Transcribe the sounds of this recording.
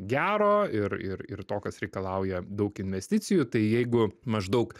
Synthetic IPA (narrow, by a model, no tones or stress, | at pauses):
ɡʲæːɾoːɪɾɪɾɪ̰rt̪oːkɐsɾʲɛɪkɐlˠɑʊjɛd̪ɐʊkɪnʲʋʲɛsʲt̪ʲɪtsʲɪjut̪ɐɪjɛɪɡʊmɐʒd̪ɐʊk